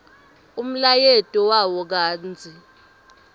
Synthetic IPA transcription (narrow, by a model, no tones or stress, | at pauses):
um̩lajetʼɔwawɔk̬aːnd͡zʱi